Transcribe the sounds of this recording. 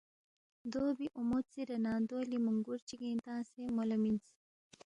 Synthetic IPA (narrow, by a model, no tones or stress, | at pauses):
d̪obiʔumot̪t͡siɾɐnaːd̪oːlimuŋɡuɾt͡ʃiɡẽːnt̪ãːsemolɐmint͡si̥